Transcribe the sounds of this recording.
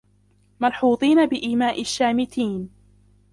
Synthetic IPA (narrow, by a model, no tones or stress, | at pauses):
mɑlħuːt̪ˤiːnabɪʔiːmaːʔɪʃːaːmɪt̪iːn